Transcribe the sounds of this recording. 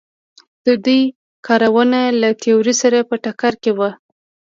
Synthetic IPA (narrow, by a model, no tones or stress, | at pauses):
d̪̥əd̪uj | kɑɾawənalat̪euɾisaɾapəʈakaɾkewa